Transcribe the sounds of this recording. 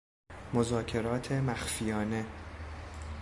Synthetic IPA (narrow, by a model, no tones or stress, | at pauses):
mozɒːcʰe̞ɾɒːt̪ʰemæxfijɒːne̞